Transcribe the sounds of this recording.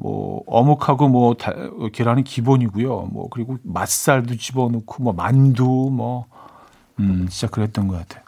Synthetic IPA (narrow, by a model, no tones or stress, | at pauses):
mwʌ̰ʌ̰mukʰaɡomwʌta̰keɾanɯnkiboɲiɡujomwʌ̰kɯɾiɡomas͈aɭdut͡ɕibʌnokʰomwʌma̰ndumwʌ | ɕʰid͡ʑakʰɯɭɦe̞t̚t͈ʌnɡʌkatʰe̞jo